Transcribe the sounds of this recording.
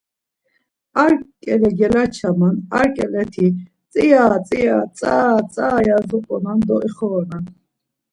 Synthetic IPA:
aɾkʼɛlɛɡɛlat͡ʃʰamana̰ɾkʼɛlɛt̪ʰi | t͡sʼijaːt͡sʼijat͡sʼaːt͡sʼaːjazɔpʼɔnand̪ɔiχɔɔnan

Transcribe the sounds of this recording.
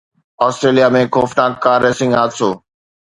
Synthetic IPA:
ɔːsʈɾeːlijamẽːkoːfnaːk̚kaːɾeːsɪ̃ŋɡaːt̪soː

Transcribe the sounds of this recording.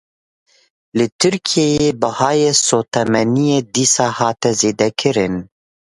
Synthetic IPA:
lɨt̪ʰɨɾkʰijejeːbɨhɑːjeːsoːt̪ʰɛmɛnijeːd̪iːsɑːhɑːt̪ɛzeːd̪ɛkʰɨɾɨn

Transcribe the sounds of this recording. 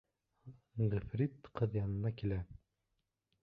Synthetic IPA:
ʁɘfɾʲit̪qɤðjɑnɤ̆nɑkilæ

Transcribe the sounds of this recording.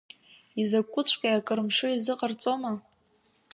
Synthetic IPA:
izakʷʼːʊt͡ɕʷʰʼkʲʼaakʼɨrɨmʂɨizɨqʼart͡sʼo̞ma

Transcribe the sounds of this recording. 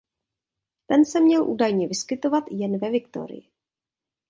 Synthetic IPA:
t̪ɛnsɛmɲɛlʔṵːdajɲɛvɪskɪt̪o̞vat̪jɛnvɛvɪkt̪o̞̰ɾɪ̰jɪ

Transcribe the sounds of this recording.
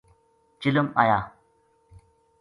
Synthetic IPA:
t͡ʃiləma̰jaː

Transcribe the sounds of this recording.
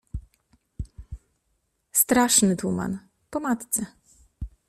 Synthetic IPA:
st̪ɾaʂnɘt̪uma̰n | pɔmat̪t̪sɛ

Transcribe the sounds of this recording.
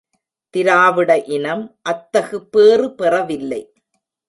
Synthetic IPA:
t̪ɪɾaːʋɪɽɐʔɪnɐmʔɐt̪ːɐɣɯpːeːrɯpɛrɐʋɪlːɐɪ

